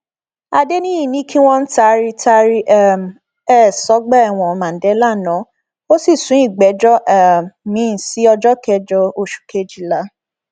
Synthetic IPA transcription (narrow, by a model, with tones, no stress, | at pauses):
a˧de˦nĩ˦i˦˨nĩ˦kʰi˦w̃ɔ̃˦n̩˦ta˦ɾi˦tʰa˧ɾi˦ʔɛ˦˨m˨ | ɛ˦˨sɔ˨˦ɡ͡bɛ˦a˦˨w̃ɔ̃˨˦mã˨n̩˨˦dɛ˨˦la˦˨nã˨˦ | o˦si˦˨sũ˨˦i˦˨ɡ͡bɛ˨˦d͡ʒɔ˦ʔɛ˦˨mĩ˨˦˨si˨˦ɔ˧d͡ʒɔ˦kɛ˧˨d͡ʒɔ˧o˧ʃu̥˨ke˦d͡ʒi˦˨la˨˦